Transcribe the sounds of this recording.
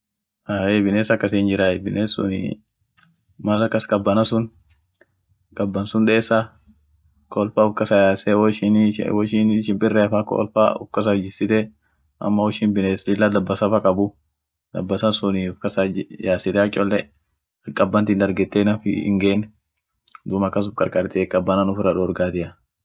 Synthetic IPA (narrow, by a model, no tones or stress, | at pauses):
ʔaːebɪneːsɐkːɐseɪnd͡ʒɪɾaːɛbɪnʔeːsʊ̰nɪ̰ | mɐlɐkːɐskʼɐbːɐnɐsʊn | kʼɐbːɐnsʊnᶑ̪ɛeːsːa | kɔːlfaːʊfkːɐsɐjaːsɛwɔʃɪn̰wɔʃinʃɪmpʼɪrːɛɐfaːkɔ̰lfa̰ːʊ̰fkːɐs̬ɐd͡ʒɪsɪt̪ɛ | ʔɐ̰mːɐwɔʃiːnbɪneslɪlːɐd̪ɐbːɐsɐfɐkʼɐbʊ | d̪ɐ̰bːɐsɐnsʊniʊfkɐsɐjaːsɪt̪ɛɐt͡ʃʼːɔlːɛ | ɐkʼːɐbːɐnt̪iːnd̪ɐɾɡɛt̪ːeːnɐfɪ̰ɪ̰ŋɡeːnːɛ | d̪ʊmɐkːɐs̬ʊfkʼɐɾkʼɐɾt̪ekʼɐbːɐnɐnʊfɪɾɐᶑɔːɾɡaːt̪ɪɐ